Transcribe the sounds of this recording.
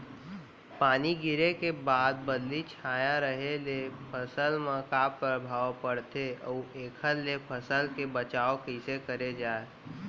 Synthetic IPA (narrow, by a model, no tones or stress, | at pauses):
paːniɡɪɾekebaːd̪̚bəd̪lit͡ʃʰaːjaɾəɦelepʰəsəlmãkaːpːɾəbʱaːʋpəɽt̪eɔːeːkʰəlːepʰəsəlkebət͡ʃaːokisekəɾed͡ʒaːe